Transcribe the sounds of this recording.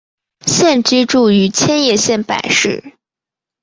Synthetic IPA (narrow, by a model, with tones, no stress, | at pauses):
ɕjɛ˥˩nʈ͡ʂi˥ʈ͡ʂu˥˩y˧˥t͡ɕʰjɛ˥njɛ˥˩ɕjɛ˥˩npa̰˨˩ɪʂɻ̩˥˩